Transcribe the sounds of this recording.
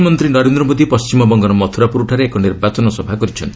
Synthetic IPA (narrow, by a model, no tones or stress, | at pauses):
mɔnt̪ɾinɔɾend̪ɾɔmod̪ipɔst͡ʃimɔbɔŋɡɔɾɔmɔt̪ʰuɾapuɾuʈʰaɾeːkɔniɾbat͡ʃɔnɔsɔbʱakɔɾit͡ʃʰɔnt̪ʰi̥